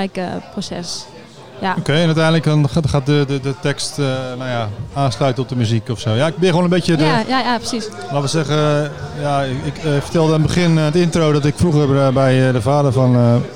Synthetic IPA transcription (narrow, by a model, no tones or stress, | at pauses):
jkəprosɛ̰s | aokʰejɛnœtɛjnədləkdɔnχaːt̚dədədətɛkstənawjaaːslœɥtənɔp̚dəmyzikɔfsoːjaɪk̚bɪxwoːnəmbetjədəjajapəsis | laːtʋəsɛɣəjaɪkfə̥rtɛlˠdənbəχɪnətɪntrowdɔtɪkfruɣərbɛjdəfaːdərfɔnə